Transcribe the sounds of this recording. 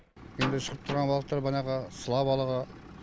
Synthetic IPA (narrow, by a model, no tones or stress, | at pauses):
jend̪ɪʃəʁəp̚t̪ʰʊɾʁɑnbɑqət̪ːɑɾbɑnɑʁɑsəlˠɑbɑlˠɑʁɑ